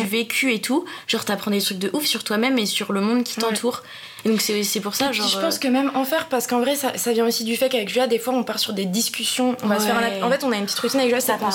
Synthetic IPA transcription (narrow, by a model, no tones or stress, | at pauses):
yvekʲʰyet̪ʰuʒɑʁt̪yapχɑ̃d̪et̪χyk̚d̪əʔufsyʁt̪wamɛmesyʁləmɔ̃d̪kʲi̥t̪ɑ̃t̪ʰuːʁ | ed̪ɔ̃ksɛosɛpuʁsaʒɑ̃ʁʒəpɑ̃skəmɛmɑ̃fɛʁpaʁsə̥kɑ̃vʁɛsa̰savjɛ̃osid̪yfɛkavɛkʒyad̪efwaɔ̃paʁsyʁd̪ed̪iskʲysjɔ̃ɔ̃vasəfɛʁɛ̃naɑ̃fɛt̪ɔ̃naynpət̪i̥t̪χət̪inavɛkʒasapɑ̃